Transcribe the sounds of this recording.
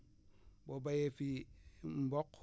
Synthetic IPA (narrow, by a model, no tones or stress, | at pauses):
bobajefim̩bok